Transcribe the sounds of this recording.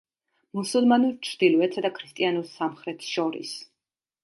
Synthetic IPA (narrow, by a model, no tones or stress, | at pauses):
musulˠmanuɾt͡ʃʰɾd̪ilˠɔɛt̪sʰad̪akʰɾist̪ʼianuɾsamχɾɛt̪ʰʃɔɾḭs